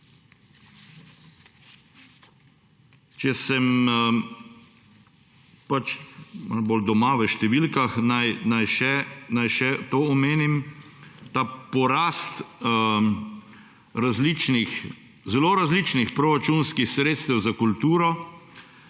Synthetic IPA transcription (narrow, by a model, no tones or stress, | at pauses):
t͡ʃɛsɛm | pat͡ʃmanbold̪ɔmaʋəʃt̪ɛʋilkaxnajnajʃɛnajʃɛt̪oːɔmeːnim | t̪aːpɔɾaːst̪ | ɾazlit͡ʃnix | zɛloːɾazlit͡ʃnixpɾɔɾat͡ʃunskixsɾeːt̪st̪ɛwzakult̪uːɾɔ